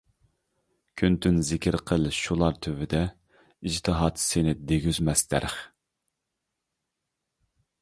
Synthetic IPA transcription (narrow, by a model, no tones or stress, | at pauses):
kʲʰynt̪ʰynzɪkʲɪɾqʰəlˠʃulˠɑɾt̪ʰøvɪd̪ɛ | id͡ʒt̪ʰɨɦɑt̪senɪd̪eɡʲyzmɛst̪ʰɛ̰ɾχ